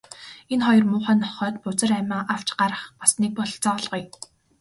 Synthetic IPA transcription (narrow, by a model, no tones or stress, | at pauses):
enχɔjɞ̆rmʊːχæːnɔχœːt̪pʊt͡sə̆ræmʲaːʔaw̥t͡ɕɢaɾə̆χpasniːk̚pɔɮt͡sɔɮʁ̥uj